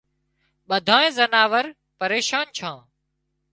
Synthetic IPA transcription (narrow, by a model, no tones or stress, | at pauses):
ɓəd̪ʱãːẽːzənaːʋəɾ | pəɾeːʃaːnt͡ʃʰãː